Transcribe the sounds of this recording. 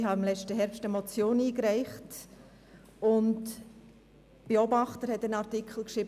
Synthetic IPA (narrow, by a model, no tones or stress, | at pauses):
ɦɑɪmlɛt͡ʃtəɦɛɾpstəmɔt͡sjoːniːkɾæɪχt | ʊnt | b̥eɔbɑχtəɾhɛtənɑɾtikχl̩ˠkʃɾiːb